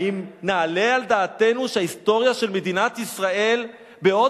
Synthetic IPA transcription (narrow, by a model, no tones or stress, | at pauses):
imnaːle̞ald̪aːt̪e̞nuʃeaist̪o̞ʁjaʃe̞lme̞d̪inat̪isʁae̞l | be̞o̞